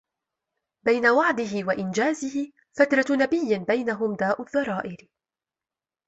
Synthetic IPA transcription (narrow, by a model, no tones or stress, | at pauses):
bajnawaʕd̪ɪɦɪwaʔɪnd͡ʒaːzɪhɪ | fat̪ɾˤɑnabɪjːɪbajnaɦʊmd̪aːʔʊðˤːɑɾˤɑːʔɪɾ